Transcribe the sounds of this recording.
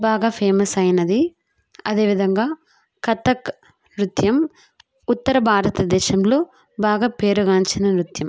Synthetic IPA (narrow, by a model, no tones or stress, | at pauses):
bʱaːɡaːpʰeːmɐsɐjɐnɐd̪i | ɐd̪e̞ːʋid̪ʱɐŋɡaː | kɐt̪ɐk | nɾut̪jɐm | ut̪ːɐɾɐbʱaːɾɐt̪ɐd̪ɛːʃɐmlo̞ː | baːɡaːpe̞ːɾuɡaːnt͡ʃinɐnɾut̪jɐm